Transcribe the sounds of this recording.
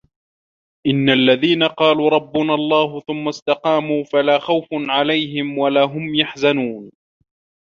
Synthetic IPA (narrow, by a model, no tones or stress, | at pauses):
ʔɪnːalːaðiːnaqɑːluːɾˤɑbːʊnalˤːɑːɦʊθʊmːast̪ɑqɑːmuːfalaːxawfʕalajɦɪmwalaːɦʊmjaħzanuːn